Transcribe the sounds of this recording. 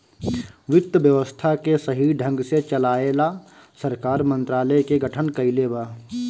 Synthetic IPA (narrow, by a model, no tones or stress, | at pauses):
ʋɪt̪ːəʋjəʋəst̪ʰakesɐɦiɖʱə̃ŋɡset͡ʃɐlaːela | sɐɾkaːɾmə̃nt̪ɾaːləjkeɡəʈʰənkɐilebaː